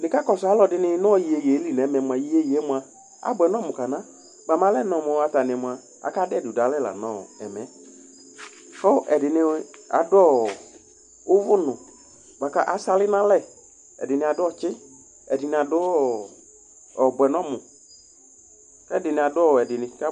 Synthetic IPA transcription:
nɪ̃˨ka˦kɔ˨sʊ˨a˨˦lɔ˨dɪ˦nɪ˦n˦˨ji˨e˨je˨˦li˦nɛ˨˦mɛ˨m˨a˨ji˨˦e˦je˨˦mʊ̃˨a˨ | a̰˨bɛ˨nɔ˦mʊ̃˨ka˨nã˦ | ɡ͡ba˨mã˦lɛ˦nɔ̃˨mʊ˨a˨ta˨nɪ̃˨ɛ˨mʊ˨a˨ | a̰˨ka˦dɪ˦ɛ˨dʊ˨da˨˦lɛ˦˨la̰˨nɔ̃˦˨ɛ˨mɛ̃˨˦ | kɔ˦ʔɛ˨dɪ˨nɪ˧a̰˨dɔ˦ | ʊ˦vʊ˦nʊ̃˨ | ɡ͡ba˨ka˦ʔa˨sa˧lɪ˦nã˦lɛ˦˨ | ɛ̰˨dɪ˨nɪ˨a˨dʊ˦ɔ˦˨t͡ʃɪ˦ | ɛ˨dɪ˨nɪ̃˨a˨dʊ˦˨ | ɔ˨bʊ˨ɛ˨nɔ̃˦˨mʊ̃˨ | kɛ˦dɪ˨nɪ˨a˨dʊ˦ɔ˦˨ɛ˨dɪ˨nɪ̃˨ka˦

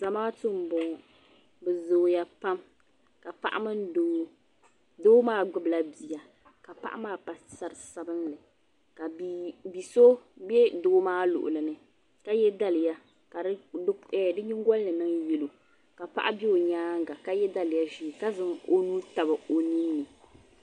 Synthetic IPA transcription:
za˨maː˦tɨ˦m˨bɔ˨ | bɛ˨zoː˨ja˦pa˦m | ka˨pa̰˦˨ʔa̰˦mɨ˦n˦do˨˦ŋ˦ | doː˦maː˦ɡ͡bʊ˦bla˨bi˨ja˨ | ka˨pa̰˦ʔa̰˦maː˦pa˨ssa˨ɾɨ˨sa˨bɨ˦nlɨ˨ | ka˨bbi˨so˦bɛ˦doː˦maː˦lʊ̰˨ʔʊ̰˨lɨ˨nɨ˨ | ka˦jɛ˦da˦lɨ˨ja˦ | ka˨˦ɛ˨dɨ˦ɲi˦ŋ˦ɡɔ˦llɨ˨nɨ˦ŋjɛ˨lo˨ | ka˨pa̰˦ʔa˦bi˦o˨ɲaː˦ŋ˦ɡa˨ka˦jɛ˦da˦lɪ˨ja˦ʒi˨ka˦zɨ˦ŋo˦nu˦ta˨ba˨o˦ni˦n˦nɨ˨

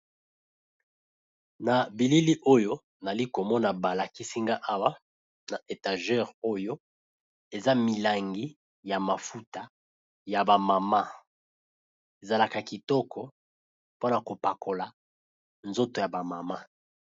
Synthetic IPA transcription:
na˨bi˨li˦li˦ʔo˦jo˦ | na˨li˦ko˨mɔ˦na˨ba˨la˨ki˦si˦ŋɡa˦ʔa˦wa˦ | na˨ʔe˨ta˨ʒɛ˦ʁo˦jo˦ | e˨za˦mi˨la˨ŋɡi˦ | ja˨ma˨fu˦ta˦ | ja˨ba˨ma˨ma˦ | e˨za˨la˨ka˨ki˨tɔ˦kʰɔ˦ | po˦na˨ko˨pa˨ko˨la˨ | nzo˦to˨ja˨ba˨ma˨ma˦

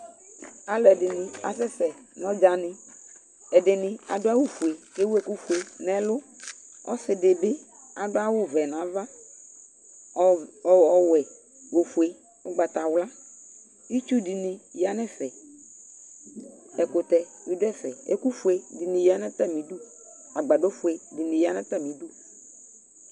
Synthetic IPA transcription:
a˨˦lʊ˨ɛ˨dɪ˨nɪ̃˨a̰˨sɛ˦sɛ˨nɔ̃˦d͡ʒa˨nɪ̃˨ | ɛ˨dɪ˨nɪ̃˨a̰˨dʊ˦a˦wu˦fu˨e˨ke˦we˨ku˦fu˨e˨nɛ˨lʊ˦ | ɔ̰˦sɪ˨dɪ˨bɪ˦ | a˨dʊ˦a˦wʊ˦vɛ˨nã˨˦va˦˨ | ɔ˨wɛ˨ | wo˨fu˨e˨ | ʊ˦ɡ͡ba˨t̪a˨wla˦ | i˦t͡ʃu˦di˨nĩ˨ja˨nɛ˦fɛ˨ | ɛ˨kʊ˨t̪ɛ˨wi˦dʊ˦ɛ˦fɛ̰˨ḛ˦ku˦fu˨˦e˨di˨nĩ˨ja˨nɛ̃˦t̪a˦mĩ˨du˦ | a˨ɡ͡ba˨do˦fʊ˨e˨di˨nĩ˨ja˨nɛ̃˦t̪a˦mĩ˨du˦

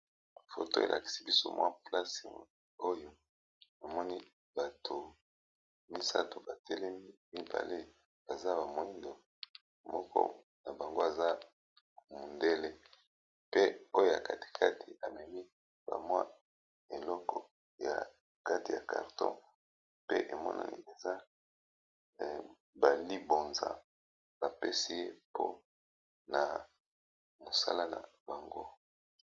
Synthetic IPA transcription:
fo˨to˦e˨lʔa̰˨ki̥˨si˦bi˦so̰˦mwa˦pla˦se˨ | o˦jo˨ | a˨mɔ˦ni˦ | b̥a˨tʰo˨ | mi˦sa̰˦to˨ba˨tʰɛ˦lɛ˦mi˦mi˦ba̰˨le˦ | b̥a˨za˦ba˨mo˨i˦ndo˨ | mɔ˦kʰɔ̰˦ | na˨ba˨ŋɡo˦a˨za˦ | mo˨nde˦le˦ | pe˦o˦jo˦˨ja̰˨ka˦ti̥˨kʰa˦tʰi˨a˨mɛ˨mi˦ | b̥a̰˨mwa˦ | e˨lɔ˦kɔ˨ | ja̰˨ | ka˦ti˨ja˨ka̰˨ʁtɔ̰̃˦ | pe˦ʔe˨mɔ̰˦na̰˨nḭ˨e˨za˦˨ | ba˨li˦bo˨nza̰˨ | ba˨pe˦si˦je˦pʰo̰˦ | na˨ | mo˨sa̰˦la˦na̰˨ba˨ŋɡo˦

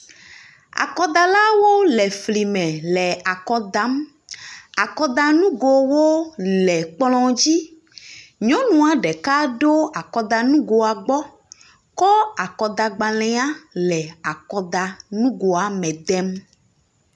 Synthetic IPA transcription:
a̰˨kɔ˦d̪a˨la˦wo˦lɛ˨fli˨mɛ̃˨lɛ˨a˨kɔ˦d̪a˦m | a˨kɔ˦d̪a˦nũ˦ɡo˨wo˦lɛ˨k͡plɔ̃˦d͡ʑi˦ | ɲɔ̃˦nũ˨a˨ɖɛ˨ka˦ɖo˦a˨kɔ˦d̪a˨nũ˦ɡo˨a˨ɡ͡bɔ˦ | kɔ˦a˨kɔ˨d̪a˨ɡ͡ba˨lɛ̃˦a˦lɛ˨a˨kɔ˨d̪a˨nũ˦ɡo˨a˨mɛ̃˨d̪ɛ˦m

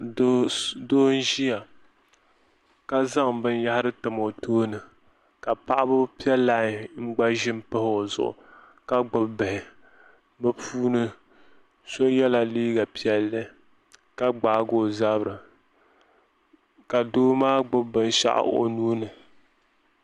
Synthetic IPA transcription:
doː˦n̩˦ʒi˦ja˨ | ka˦za˦ŋbɨ˦nja˦ha˦ɾɨ˦tɨ˨mo˨tʰoː˦nɨ˨ | ka˨pa˦ʔa˦bɨ˦pi˦ɛ˦lːa˦˨ŋ͡m̩˦ɡ͡ba˦ʒɪ˦m˦pɨ˦hzʊ̰˨ʔʊ̰˨ | ka˦ɡ͡bʊ˨bbɨ˨hɪ˨ | bɨ˦pʰuː˦nɨ˦ | so˦jɛ˦la˨liː˦ɡa˨pi˦ɛ˦lːɨ˦ | ka˦ɡ͡baː˨˦ɡo˨za˦bɾɨ˨ | ka˨doː˦maː˦ɡ͡bʊ˦bbɨ˨n˦ʃa̰˦ʔo̰˨nuː˦nɨ˨

